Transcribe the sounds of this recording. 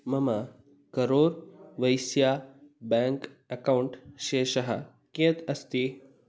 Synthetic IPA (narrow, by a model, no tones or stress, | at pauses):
məma | kəɾoːɾʋəjsjabɛ̃ŋk | əkauɳʈɕeɕɐɦa̰ | ket̪ɐst̪i